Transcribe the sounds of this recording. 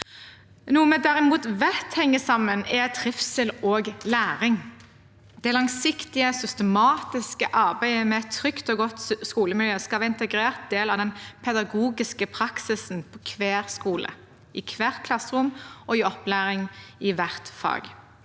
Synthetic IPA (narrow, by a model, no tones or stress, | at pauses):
nuːmɛd̪æʁɪmuːt̪ʋæt̪hɛŋːəsɑmənɛt̪ʰʁɪfsəloːɡlæːʁɪŋ | d̪̥ɛlɑŋsɪkt̪ɪəsʏst̪əmɑːt̪ɪskəʔɑʁbæɪmɛɛt̪ʰːʁʏkt̪ɔɡɔt̪skuːləmɪljøːskɑɑɪnt̪əɡɾeːʁt̪̚d̪eːlɑʋd̪ɛnpʰɛd̪ɑɡuːɡɪskəpʰɾɑksɪsnpʰɔkʰʋeːʁskuːlə̰ | ʔɪkʰʋeːʁt̪kʰlɑsʁʊmʔɔɪɔplæːʁɪŋɪʋæʁt̪fɑ̰ːɡ